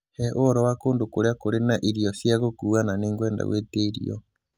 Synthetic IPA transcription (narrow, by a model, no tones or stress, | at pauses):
hɛʔoɔɾɔwakoːndokoɾeakoɾenaʔiɾiɔsjaɣokuːananeːŋɡwɛːnda̰ɣweːteiɾḭɔ̰